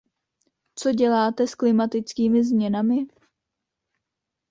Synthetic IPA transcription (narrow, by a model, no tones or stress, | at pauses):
t͡so̞ɟɛlaːt̪ɛsklɪmat̪ɪt͡skiːmɪzmɲɛnamɪ